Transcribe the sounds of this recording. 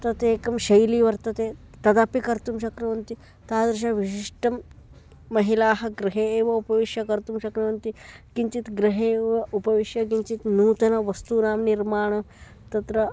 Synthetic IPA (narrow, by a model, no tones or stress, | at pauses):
t̪ɐt̪eːkɐmʃɐjliːʋɐɾt̪ɐt̪e | t̪ɐd̪aːpikɐɾt̪umʃɐkɾɐʋɐnt̪i | t̪aːd̪ɾʃ̬aʋiʃiʂʈɐmː | ɐɦilaːɦɐ̆ɡɾiɦeːʋɐupɐʋiʂjɐkɐɾt̪umʃɐkɾɐʋɐnt̪ikiɲt͡ʃit̪ɡɾiɦeʋɐupɐʋiʂjɐkint͡ʃit̪nuːt̪ɐnɐʋɐst̪unaːmniɾmaːɳ̃ɐ | t̪ɐt̪ɾɐ